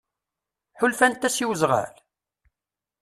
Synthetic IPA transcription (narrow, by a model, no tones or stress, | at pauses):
ħʊlfænt̪ːæsiwzʁæ̰l